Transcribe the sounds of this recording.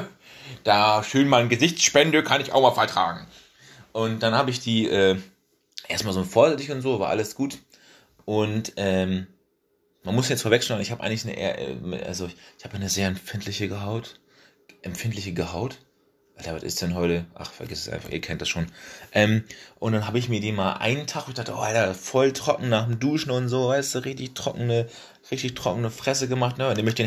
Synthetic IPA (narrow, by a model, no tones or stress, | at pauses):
d̥aːʃøːnmaɪnɡəzɪçt͡sʃpɛndəkʰanɪça̰ʊmaːlfaɐtʁ̥a̰ːɡŋ̩ | ʔʊnt̚d̥anhaːbəɪçd̥iːʔɛː | ʔeːɐstmaːlzoːfoːɐzɛtɪçʊntz̥oːvaɐʔa̰ləsɡ̥uːt | ʔʊntʔɛːm | manmʊsçjɛt͡sfoɐɛkʃnanɪçhaːbʔa̰ɪɡŋlɪçnəʔḛːɐʔɛ̰m̰ʔa̰lzoɪçhaːbənəzeːɐɛmfɪntʰlɪçəɡəɦaʊt | ʔɛmfɪnt̬lɪçəɡəɦaʊt | ʔaltavatɪ̰std̥ɛnɦɔʏtəʔa̰χfɛɐɡɪssʔa̰ɪnfa̰χʔḭːɐkʰɛnt̚d̥asʃoːnʔɛːmʔʊnt̚d̥anɦaːbəɪçmiːɐdiːnmaːlʔa̰ɪnəntʰaχʊnɪçdaχtəʔoːʔaltɐfɔltʁ̥ɔkŋ̩naːχmduːʃn̩ʊntz̥oːvaɪstd̥uːʁɪçtɪçtʁ̥ɔ̰knə | ʁɪçtɪçtʁ̥ɔ̰kənəfʁ̥ɛs̬əɡəmaχtnəʊntdɛɐmœçtd̥eː